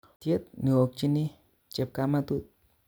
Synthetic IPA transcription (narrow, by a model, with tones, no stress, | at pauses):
t̪je˦t̪̚ni˨o˨k̚t͡ʃi˦ni˦ | t͡ʃe˨p̚ka˧ma˦t̪u˦t̪̚